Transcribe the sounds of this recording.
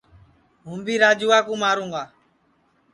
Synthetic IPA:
ɦũːmbiːɾaːd͡ʒuːaːkũːmaːɾũːŋɡaː

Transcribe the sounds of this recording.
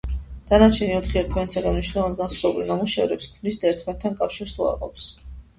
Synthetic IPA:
d̪̥anat͡ʃʰɛniɔt̪ʰχiɛɾt̪ʰvɛnsaɡanmniʃnɛlˠɔvand̪ɡansχlɛbulinamuʃɛvɾɛpskʰmnisd̪aɛɾt̪ʰmɛt̪ʰːankʼafʃiɾsua̰ɾqʼɔ̰ps

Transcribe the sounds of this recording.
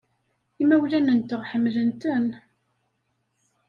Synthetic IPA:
imæwlænənt̪əʁħəmːlənt̪ən

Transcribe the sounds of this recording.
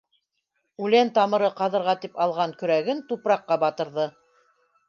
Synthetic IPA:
ʉlænt̪ɑmɤ̆ɾɤqɑðɤ̆ɾʁɑt̪ipɑlˠʁɑŋkɵ̆ɾæɡɘnt̪upɾɑqːɑbɑt̪ɤ̆ɾðɤ

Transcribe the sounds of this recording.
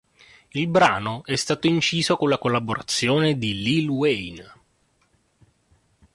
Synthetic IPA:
ilbɾaːnoʔɛst̪aːt̪oint͡ʃiːzokonlakolːaboɾa̰t̪sːjoːned̪ililwejn

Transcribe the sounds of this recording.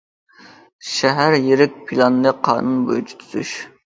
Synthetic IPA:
ʃɛɦæɾjeɾɪk̚ʲpʰilˠɑnɨnɨqʰɑ̰ːnunbo̰jut͡ʃʰi̥t̪ʰy̥zy̰ʃ

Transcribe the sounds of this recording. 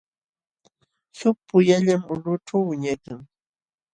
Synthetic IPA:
sʊpʊjaʎamʊlʊʈ͡ʂawːɪɲakaŋ

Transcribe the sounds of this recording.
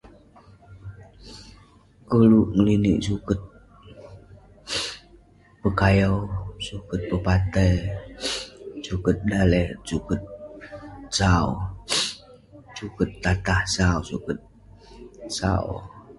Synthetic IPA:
kəluʔŋəliniʔsukət̪̚ | pəkajawsukət̪̚pəpat̪əj | sukət̪̚dalɛsukət̪̚ | saw | sukət̪ːat̪ahsawsukət̪̚ | sa̰w

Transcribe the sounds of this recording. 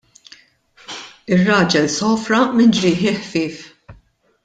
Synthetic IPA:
ɪrːɐːd͡ʒɛlsɔːfɾɐmɪnd͡ʒɾɪːħɪħfɪːf

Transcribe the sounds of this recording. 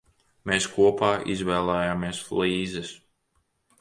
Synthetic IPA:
meːskuɔpaːʔḭzvɛːlˠɛːjaːmiɛslˠiːzɛs

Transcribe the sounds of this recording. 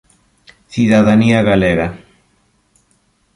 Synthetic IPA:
θiðaðaniaɣaleɣa

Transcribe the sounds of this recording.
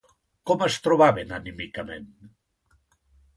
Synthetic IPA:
kɔməst̪ɾoβaβenanimikamḛn

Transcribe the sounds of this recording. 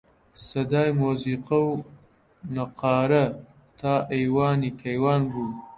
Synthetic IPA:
sɐd̪ɑːjmoziqaw | naqɑːɾa | t̪ɑːʔejwɑːnikʰajwɑːnbu

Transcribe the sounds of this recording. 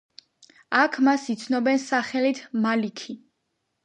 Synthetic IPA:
akʰmasit̪sʰnɔbɛnsaχɛlit̪ʰmalikʰi

